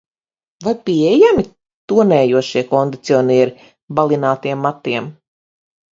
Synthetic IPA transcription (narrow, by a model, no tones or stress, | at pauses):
vajpiɛjami | t̪uɔnɛːjuɔʃiɛkɔnd̪it̪siɔniɛɾi | balˠinaːt̪iɛmːat̪ːiɛm